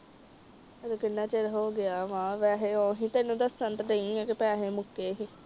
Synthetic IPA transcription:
d̪okɪnːãːt͡ʃeɾɦoːɡɪaːʋãːʋɛːɦeːoːɦĩːt̪eːnũːd̪əsːənt̪nəĩːɛ̃ːkɪpaːɦeːmʊkːeːɦiː

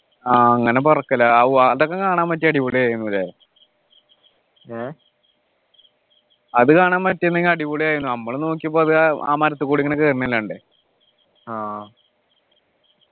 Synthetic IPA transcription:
aːɐŋːɐnepɐrɐkːɐlːɐɐɐðokːeŋkaːɳaːmpɐt̬ːeɐɽipuɭijaːjɾunːuɾaː | e | ɐðɨkaːɳaːnpɐtːɐenːɐŋːilɐɽipuɭijaːjɾunːuɐmːɐɭno̞ːk̬ːijumboːɐðɨa̰ːmɐɾɐt̪ːɨkuːɽiŋɐnekːɨɐrnːɐlːaɳɖɨ | aː

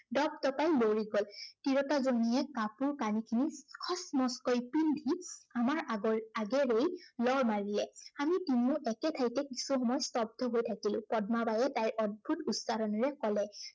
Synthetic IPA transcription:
dɔb̚tɔpajloɹiɡɔltiɹɔtazonijɛkapuɹkanikʰinikʰɔsmɔskɔjpildʱiamaɹaɡɛɹejlɔɹmaɹilɛamitimuʔɛkɛtʰajtɛki̥suxɔmɔjstɔb̚dʱɔɦojtʰakilʊ̰̃pɔdmabajɛtajɹɔd̚bʱutusaɹɔnɔɹɛkɔlɛ

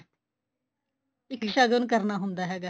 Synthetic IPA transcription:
ɪkʃaːɡənkəɾnaːɦʊ̃nd̪aːɦɛːɡaː

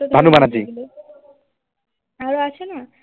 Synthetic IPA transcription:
bʱanubanad͡ʑi | aɾoaʃʰena

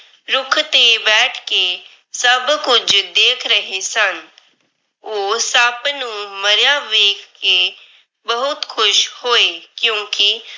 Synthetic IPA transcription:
ɾʊkʰt̪ebɛːʈʰke | səbkʊd͡ʒd̪eːkʰɾəɦesən | oːsəbnũːməɾjaːʋeːkʰkːe | bəɦʊt̪kʰʊʃhoːeːkjõːki

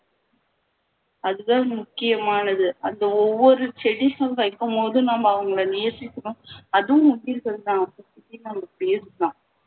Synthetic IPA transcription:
ɐðɯðãːmʊkːɪjɐmaːnɐðɯɐnd̪ɐɔʋːɔɾɯsɛɽɪsɐnʋɐɪkːɯmpoːðɯ̃naːmɐːʋɐŋɡɐɭɐnɪjɐɾsɪkːɯɽʊ̃ɐðɯ̃ʊɳbɪɾɯkːɐðd̪ãːɐpːɐtːɪtːinɐmɐpejɐsɯd̪ãː

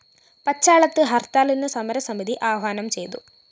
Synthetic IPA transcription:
pɐt͡ɕːaːɭɐt̪ːɨɦɐrt̪aːlinːɨsɐmɐɾɐsɐmiðiʔaːʋaːnɐmt͡ɕe̞jt̪u

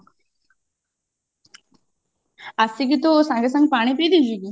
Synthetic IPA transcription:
asiɡit̪osãŋɡes̬ɐ̃ŋɡ̚paːɽ̃ipid̪id͡ʒiki

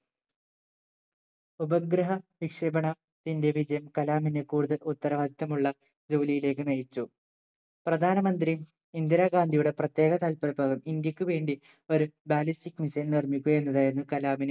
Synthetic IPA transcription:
ubɐɡɾɐɦɐʋikʂɐbɐɳɐ | t̪inde̞ʋiʂɐjɐmkɐlaːminekuːɽuðɐlut̪ːɐɾɐʋaːd̪ʱit̪ːɐmuɭːɐ | d͡ʑo̞ːlijile̞ːkːɨnɐjit͡ɕːu | prɐd̪ʱaːnɐmɐnd̪rim | ind̪jɐɾaːɡaːnd̪ʱijuɽe̞prɐt̪je̞ːɡɐt̪ɐlpɐɾɐbʱaːɡɐmind̪jɐkʲːuʋe̞ːɳɖi | o̞ɾubaːlistikːmisɐlnirmikʲːuɣɐe̞nːɐðaːjenːɨkɐlaːmine

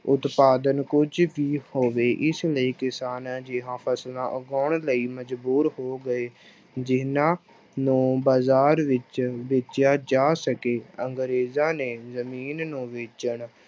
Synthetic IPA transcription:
ʊt̪paːd̪ənkʊd͡ʒʋiːhoːʋeːʔɪsləiːkɪsaːnãːd͡ʒɪɦãːpʰəslãːʔəɡɔːɳləiːməd͡ʒbuːɾhoːɡəeː | d͡ʒɪnãː | nũːbaːzaːɾʋɪt͡ʃʋeːt͡ʃjaːd͡ʒaːsəkeːəŋɡɾeːzãːneːzəmiːnnũːʋeːt͡ʃəɳ

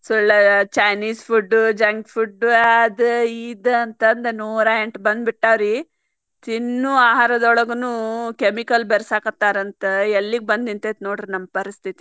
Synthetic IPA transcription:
sɔɭːɐt͡ʃɐjniːspʰuɖːud͡ʒɐŋɡpʰuɖuɐd̪ɨid̪ɐɐnt̪ɐːnd̪enuːɾaeɳʈbɐnd̪biʈːaːʋɾi | t̪inːuaːɦaːɾɐd̪ɔɭɐɡɐnuːkemikɐlbɛɾsaːkɐt̪ːaːɾɐnt̪ɐelːiɡ̚bɐnd̪int̪et̪noːɽɾnɐmːpɐɾist̪ʰit̪i

